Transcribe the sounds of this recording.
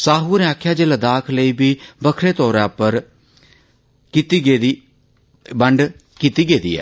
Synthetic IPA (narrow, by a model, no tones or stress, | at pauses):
saːɦuːneːaːkʰːjaːd͡ʒeːləd̪aːkʰləiːbiːbəkʰɾeːt̪ɔːɾɛːpəɾ | kit̪iːɡeːi | bəɳɖ | kiːt̪iːɡeːd̪ḭːɛ̰ː